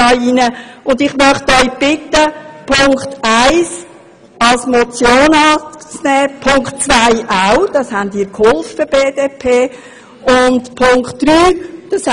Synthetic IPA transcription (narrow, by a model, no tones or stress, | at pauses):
ɑinəʊnd̪ɪχmœχt̪œʏb̥ɪt̪əpʰʊŋktaɪs | ɑlsmɔt͡sjoːnɑːt͡snɛːpʰʊŋkχtt͡svaɪʔaʊd̥ɑshændiːkhʊlffəb̥eːdeːpʰeː | ʊndpʰʊŋkχtd̥ɾyːd̥ɑs